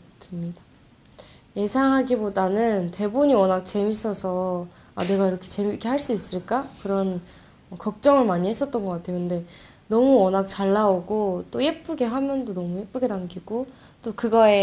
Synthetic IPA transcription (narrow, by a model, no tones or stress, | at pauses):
tʰɯmɲidḁ | je̞sʰaŋɦaɡibodanɯnte̞boɲiʌnak̚t͡ɕe̞mis͈ʰʌsʰʌ | ane̞ɡaiɾʌkʰe̞̥t͡ɕe̞mikʰe̞ɦaɭs͈uis͈ɯɭk͈akɯɾʌn | ʌkʌk̚t͡ɕ͈ʌŋɯɭmaɲihe̞s͈ʌt̚t͈ʌnɡʌk͈atʰejokɯnde̞ | nʌmuʌnak̚t͡ɕaɭːaoɡot͈oje̞p͈uɡe̞ɦamjʌndonʌmuje̞p͈uɡe̞daŋɡiɡ̥o | t͈okɯɡʌe̞